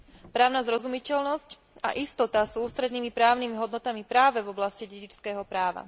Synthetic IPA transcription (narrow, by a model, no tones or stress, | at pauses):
pɾaːʊnazɾɔzumicɛʎnɔsc | a̰ʔist̪ɔt̪asuuːst̪ɾɛd̪niːmipɾaːʊnimiɦɔd̪nɔt̪amipɾaːʋɛvɔblasciɟɛɟit͡ʃskɛːɦɔpɾaːʋa̰